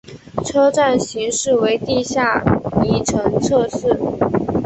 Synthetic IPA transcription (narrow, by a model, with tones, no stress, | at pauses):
ʈ͡ʂʰɤ˥ʈ͡ʂa˥˩nɕi˧˥ŋʂɻ̩˥˩we˧˥ɪt̪i˥˧ɕja˥˩ni˧˥ʈ͡ʂʰɤ˧˥ŋt͡sʰɤ˥˧ʂɻ̩˥˩